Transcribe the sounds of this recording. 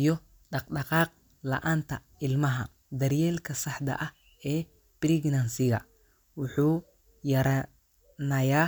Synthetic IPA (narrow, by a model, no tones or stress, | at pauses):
ijɔ | ɖɑqɖɑqɑːq̚ | lɐ̰ʔaːnt̪ʰɐ | ɪlmɐɦɐ | d̪ɐrjɛːlkʰɐsɑħd̪ɐ̰ʔɐh | ɛː | b̥ɪɾiɡnɐnsɪɣɐ̰ | wʊħuː | jɐɾɐ | nɐjaː